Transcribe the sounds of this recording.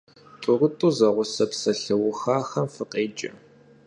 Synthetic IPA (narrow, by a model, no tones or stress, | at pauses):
tʷʼʊrʊtʼuːzɐʁʷʊsɐpsɐɬɐwʊxaːxɐmfɨqʼeːt͡ʃʼɐ̰